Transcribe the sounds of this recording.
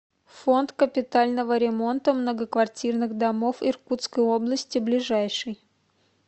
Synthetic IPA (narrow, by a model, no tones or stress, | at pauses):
fo̞nt̪kəpʲɪt̪alʲnəvəɾʲɪmo̞nt̪əmnəɡəkvɐrtʲirnɨɣd̪ɐmo̞fɪrkut̪skəjo̞blˠəsʲtʲɪblʲɪʐajʂɨj